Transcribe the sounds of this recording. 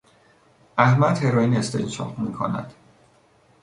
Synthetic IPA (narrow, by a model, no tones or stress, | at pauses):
ʔæhmæd̪he̞ɾɒːjiːnest̪ʰḛnt͡ʃʰɒ̰ʁmiːkʰo̰næ̰d̪̥